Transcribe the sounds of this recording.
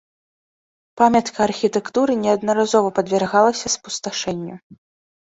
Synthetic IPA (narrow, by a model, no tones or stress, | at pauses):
pamʲɐt̪kʰɐːrxʲit̪ɛkt̪uɾɨnʲɛɐd̪nɐɾazɔvɐpɐd̪vʲɛrɣalˠɐsʲɐspust̪aʂɛnʲːṵ